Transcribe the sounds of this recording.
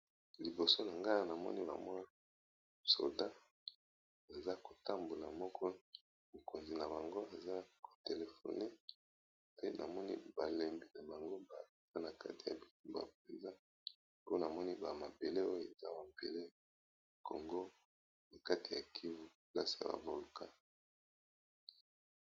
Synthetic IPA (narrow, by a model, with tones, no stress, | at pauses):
li˨bo˨so˦na˨ŋɡa˦na˨mɔ̰˦ni˦ba̰˨mɔ˦n˦ | so̰˨da˦ | e˨za˦ko˨ta˦mbo˨la˨mɔ˦kʰɔ˦ | mo˨ko˨nzi˨na˨ba˨ŋɡo˦e˨za˦ko̥˨te˨le˨fo̰˨ne˦ | pe˦nʔa̰˨mɔ˦nḭ˦ba˨le˨mbi˨na˨ba˨ŋɡo˦ba˨za˦na˨ka̰˦ti˨ja̰˨bi˨tu˨mba̰˨p̚e˨nza˦ | po˦na˨mɔ˦ni˦ba˨ma˨be˨le˦o˦o˨e˨za˦ba˨mbḛ˨le˦˨ | ko˨ŋɡo˦ | na˨ka˦ti˨ja̰˨kʰi˦vu˦ | la˦si˨ja̰˨ba̰˨vo˨lka˦